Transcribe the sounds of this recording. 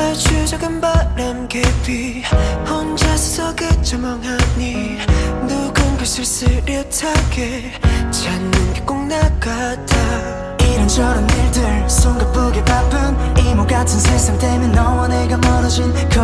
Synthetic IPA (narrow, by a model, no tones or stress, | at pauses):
at͡ɕʰud͡ʑʌɡɯnpaɾamɡedwi | hʌnd͡ʑasʰu̥sʰʌɡet͡ɕʌmʌŋɦaɲi | nuɡɯnɡɯsʰɯɭs͈ɯɾjʌtʰaɡe | t͡ɕanːɯnɡek͈oŋnak͈atʰa | iɾɯnt͡ɕʰʌɾɯniɭdɯɾsʰoŋɡap͈ɯɡepapɯnimokatʰɯnsʰesamtemjʌnːʌwʌneɡamʌɾʌd͡ʑin | kɯ